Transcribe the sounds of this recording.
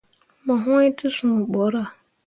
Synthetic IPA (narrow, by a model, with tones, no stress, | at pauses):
mã˨ɦʊ̃˦ɪ˦tʰɪ˦sʊ̃˨bɔ˨˦ɾa˨